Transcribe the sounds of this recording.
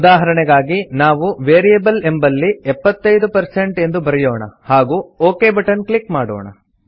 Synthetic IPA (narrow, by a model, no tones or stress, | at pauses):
ud̪aːɦɐɾɐɳɛɡaːɡinaːʋuʋeːɾijɐbɐlembɐlːiɛpːɐt̪ːɐjd̪upɐɾseɳʈe̞nd̪ubɐɾɛjoːɳɐ̰haːɡuːoːkeːbɐʈɐnklikmaːɽɔ̰ːɳɐ̰